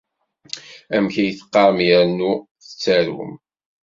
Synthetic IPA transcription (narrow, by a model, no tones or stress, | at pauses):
æmçæjəθə̥qːɑɾˤmjəɾnuθə̥t͡sːæɾṵm